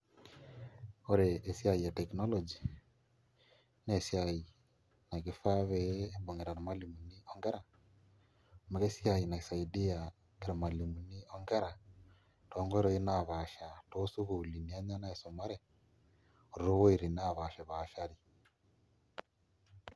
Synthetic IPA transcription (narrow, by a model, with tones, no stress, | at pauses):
o˦ɾeː˨sia˦i˨ja˨te˨kno˦lod͡ʒi | nesiai˨ | na˨ɣifa˦βeːmbo˨ŋe˨ɾa˨ɾe˨ma˦limu˨ni˦oŋɡe˦ɾa˨ | ma˨ɣesia˨ina˨isa˨idi˦a | keɾe˨ma˨li˨mu˨ni˦oŋɡe˦ɾa | toː˦ŋɡo˦e˦ɾo˦i˦naβa˨ʃa˨tosu˦ɣuli˨ni˨a˦ɲa˦na˦eso˨ma˦ɾe | o˨ɾoɾo˦wo˦iɾinaβa˨ʃe˨βa˨ʃaɾi˨